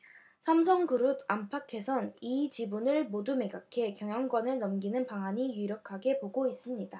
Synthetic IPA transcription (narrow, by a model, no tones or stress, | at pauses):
sʰams̬ʰʌŋkɯɾudampʰakʰe̞sʰʌnit͡ɕibunɯɭmodume̞ɡakʰe̞kjʌŋjʌŋɡwʌnɯɭnʌmɡinɯnpaŋɦaɲijiɾjʌkʰaɡe̞poɡois͈ɯmɲida